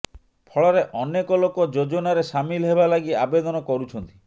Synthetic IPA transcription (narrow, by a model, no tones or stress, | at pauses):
pʰɔɭɔɾeʔɔnekɔlokɔd͡ʒod͡ʒɔnaɾesamilɔɦebalaɡiabed̪ɔnɔkɔɾut͡ʃʰɔnt̪i